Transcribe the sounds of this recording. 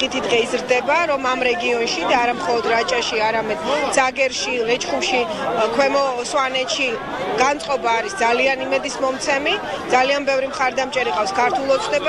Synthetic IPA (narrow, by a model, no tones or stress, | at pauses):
it̪ʰid̪ʁɛizɾd̪ɛbaɾɔmamɾɛɡiɔnʃid̪aːɾamχɔlˠɔd̪ɾat͡ʃʼaʃiaɾamɛd̪z̥aɡɛɾʃilɛt͡ʃʰʼχumʃi | kʰwɛmɔswanɛt̪ʃi | ɡ̥ant̪sʼqʼɔbaːɾisd̪zalianimɛd̪ismɔmt̪sʰɛmid̪zalianbɛvɾimχaɾd̪amt͡ʃʼɛɾiqʼafskʰaɾt̪ʰulˠɔt̪sʰnɛb